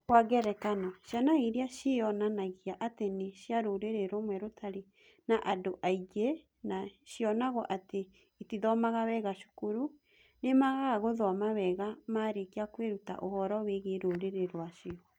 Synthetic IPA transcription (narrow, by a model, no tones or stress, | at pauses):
kwaɣɛɾɛkanɔʃjanaiɾeaʃiɔnanaɣiaʔateneʃjaɾoɾeɾeɾomwɛɾotʰaɾe | naʔadoʔaiɣe | naʃjɔnaɣɔʔate | itiðɔmaɣaβɛɣaʃu̥kuɾu | nemaɣaɣoðɔamaβɛɣamaɾekeakweɾuta̰ʔohɔɾɔweɣeɾoɾeɾeɾwaʃiɔ